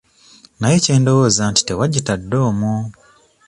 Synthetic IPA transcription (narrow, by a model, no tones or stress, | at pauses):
najece̞ːndo̞wozaːnti̥te̞waɟitadːo̞ːmu